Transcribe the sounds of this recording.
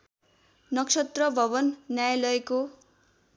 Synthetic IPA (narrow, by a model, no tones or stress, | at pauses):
nʌksʌt̪rʌbʱʌbʌnːjajlʌeko